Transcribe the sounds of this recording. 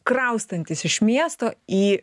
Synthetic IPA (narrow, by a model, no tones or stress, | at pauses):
kɾɐʊst̪ɐnʲt̪ʲɪsɪʃmʲiɛst̪oːiː